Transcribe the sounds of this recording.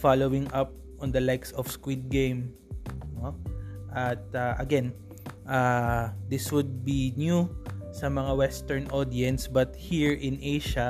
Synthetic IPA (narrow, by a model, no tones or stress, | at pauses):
falowɪ̃ŋʔɐp̚ | ʔɔ̃nd̪ɐlajksɔfskwid̪̚ɡẽjm | noʔɐt̪̚ɐʔɐɡɛn | ʔad̪ɪswʊd̪̚binjusɐmɐŋawɛst̪ɛɹnʔod̪iɛ̃nsbɐt̪hiɹʔɪ̃nʔejʃɐ